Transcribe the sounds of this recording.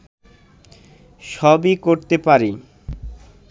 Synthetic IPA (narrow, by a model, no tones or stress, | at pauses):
ʃɔbikoɾt̪epaɾi